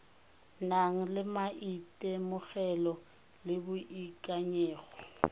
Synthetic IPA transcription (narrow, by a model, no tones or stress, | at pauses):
naŋ̩lɪmaʔitʼɛmʊɣɛlɔ | lɪbʊʔikʼaɲɛːɣɔ̥